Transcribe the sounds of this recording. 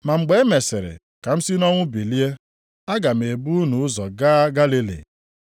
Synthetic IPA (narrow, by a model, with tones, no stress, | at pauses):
ma˨ŋ͡m̩˨ɡ͡be˨˦me˨se˨ɾɪ̰˨ | ka˨m̩˦si˦nɔ˦ŋʷʊ˦bi˨li˦e˦ | a˦ɡa˨m̩˨e˨bu˦nu˨ʊ˦zɔ˨ɡaː˦ɡa˦li˦lḭ˨